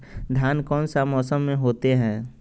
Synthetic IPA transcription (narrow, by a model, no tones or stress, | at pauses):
d̪ʱjaːnkɔːnsamɔːsəmːẽɦoːt̪eɦɛ̃ː